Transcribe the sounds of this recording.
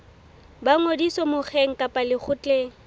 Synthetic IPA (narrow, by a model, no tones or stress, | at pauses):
baŋodisɔmʊk͡xʰeŋ̩kʼapʼalɪk͡xʰʊt͡ɬʼeːŋ̩